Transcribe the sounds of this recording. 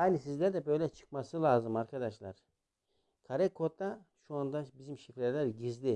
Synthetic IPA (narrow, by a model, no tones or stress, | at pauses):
haːlʲisizlʲæɾd̪ɛbø̞jlʲɛt͡ʃʰɯ̥kmasɯlˠaːzɯmaɾkʰad̪aʃlˠa̰ɾ̥ | kʰaɾɛkʰo̞t̪ʰːa | ʃuand̪abizimʃifɾɛɾlʲæɾɟizd̪i